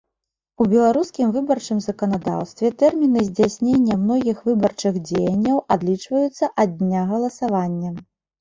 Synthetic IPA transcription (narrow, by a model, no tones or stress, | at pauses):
ubʲɛlˠaɾuskʲimvɨbɐrt͡ʂɨmzɐkɐnad̪a̰wst̪vʲɛt̪ɛrmʲinɨzʲd͡zʲasʲnʲenʲːɐmnɔɣʲixvɨbɐrt͡ʂɨxd͡zʲejɐnʲːɐwad̪lʲit͡ʂvɐjut̪sːɐʔɐd̪ʲnʲaɣɐlˠɐsavanʲːɐ